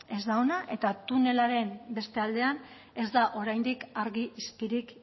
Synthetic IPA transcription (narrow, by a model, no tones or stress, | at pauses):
e̞zd̪aonaʔe̞t̪at̪une̞laɾe̞mbe̞st̪e̞ald̪e̞an | e̞zd̪aʔo̞ɾajnd̪ikaɾɣiʔispiɾik